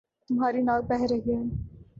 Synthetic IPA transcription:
t̪ʊmɦaːɾinaːlbɛɦɾeɡe

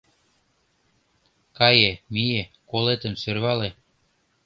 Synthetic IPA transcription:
kɑjemijekolet̪ə̆msørβɑle

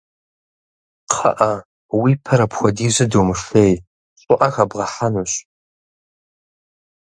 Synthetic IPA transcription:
qʰɐ̰ʔɐ | wiːpʰɐɾɐpxʷɔdiːʑɐdowmɨʂej | ɕʼʊʔɐxɐbʁɐħanuɕ

